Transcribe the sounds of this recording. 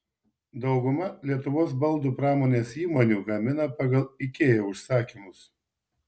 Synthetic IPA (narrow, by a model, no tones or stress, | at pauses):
d̪ɒʊɡʊmɐlʲiɛt̪ʊʋoːs̬bɐlˠd̪uːpɾɑːmoːnʲeːsiːmoːnʲuːɡɐmʲɪnɐpɑɡɐlˠɪkʲeːjɛʊʃsɑːkʲimʊs